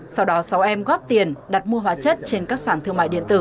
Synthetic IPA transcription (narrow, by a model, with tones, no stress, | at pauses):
sa˧wɗɔ˨˦sa˨˦wʔɛ˧mɣɔ˦˥p̚t̪i˨˩ənɗa˨˩t̚mu˧əɦwaː˨˦t͡ɕə˦˥t̚t͡ɕe˧nkaː˦˥k̚saː˧˩nt̪ʰɨ˧əŋma̰ː˧˨jɗḭ˧˨ət̪ɨ̰˧˩